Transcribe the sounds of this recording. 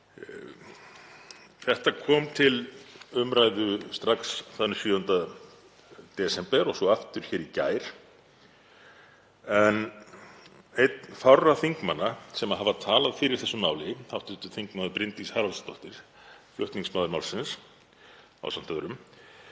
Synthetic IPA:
θɛht̪akʰɔːmt̪ʰɪlʏmɾajðʏst̪ɾaksθanːʏsjʏːhʏnt̪a | t̪ɛsɛmpɛɾɔɣsɔaft̪ʏɾ̥çɛːɾica̰ːjɾ̥ | ɛn | ejt̪fawraθiŋkma̰nːasɛmaɦavat̪ʰaːlaðfɪːɾɪɾ̥θɛsːʏmaːwlɪθawht̪ʏt̪ɪ̥θiŋkmaðʏɾpɾɪnt̪ishaːɾalst̪ɔht̪ɪɾ̥ | flʏ̰ht̪niŋksmaːwðʏɾmawlsɪns | a̰wsam̥t̪ʰɛðʏɾʏm

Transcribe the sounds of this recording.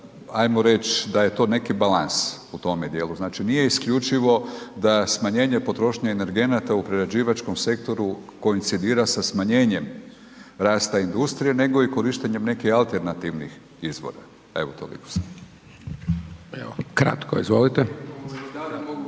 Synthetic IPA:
ajmoɾe̞t͡ʃd̪aje̞t̪o̞ːne̞kibalansut̪o̞med̪je̞ːluznaːt͡ʃinije̞iskʎut͡ʃiʋo̞d̪asmaɲe̞ːɲe̞po̞t̪ɾo̞ʃɲaene̞ɾɡe̞nat̪aupɾeɾad͡ʑiːʋat͡ʃko̞mse̞kt̪o̞ɾuko̞int̪sid̪iːɾasasmaɲe̞ːɲe̞m | ɾaːst̪aind̪ust̪ɾije̞ne̞ɡo̞iko̞ɾiʃt̪e̞ɲe̞mne̞kixalˠt̪e̞ɾnat̪iʋnḭx | izʋo̰ɾa̰ | ḛʋot̪o̰lḭko̥sa | ḛokɾa̰t̪koizʋolit̪e

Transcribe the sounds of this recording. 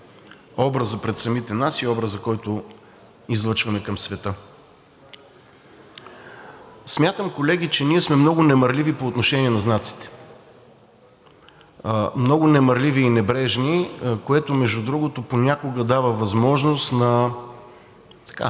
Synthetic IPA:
ɔbɾəzəpɾɛt̪sɐmit̪ɛnasiɔbɾəzzɐkɔjt̪o | izlˠɤt͡ʃvɐmɛkɐmsvɛt̪ɤ | smʲjat̪əmkolɛɡ̟it͡ʃɛniɛsmɛmnɔɡʊnɛmɐɾlʲivipoːt̪noʃɛniɛnɐznat̪si̥t̪ɛ̥ | mnɔɡʊnɛmɐɾliviːnɛbɾɛʒnikoɛt̪ʊmɛʒud̪ɾuɡot̪oponʲakoɡəd̪avəvɐzmɔʒnost̪nɐ | t̪ɐ̥ka̰

